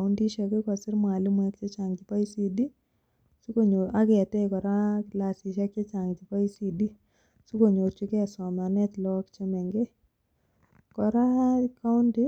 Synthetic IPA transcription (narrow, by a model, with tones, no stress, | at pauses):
ʊ˦ndi˦ʃa˧ke˦kɔ˨sɪ˦ɾm˨a˨li˦muɛ˦kt͡ʃɛ˦t͡ʃa˨ŋd͡ʒi˨pa˦i˦si˦di˦ | su˦ko˨ɲoa˦ɡe˨a˨tɛ˦kɔ˨ɾa˦lasi˨ʃa˦kt͡ʃe˦t͡ʃa˨ŋd͡ʒi˨pa˦i˦si˨di˦ | su˦ko˨ɲo˨ɾt͡ʃi˦ke˦a˨sɔ˨ma˨nɛ˦t̪lɔ˦kt͡ʃɛ˦mɛ˨ŋɡe˦ | kɔ˨ɾa˦ka˦ʊ˦ndi˦